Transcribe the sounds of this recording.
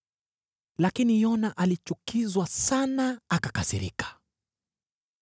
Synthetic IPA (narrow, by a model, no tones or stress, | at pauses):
lakinijɔnaʔalit͡ʃukizwasanaakakasḭɾḭkḁ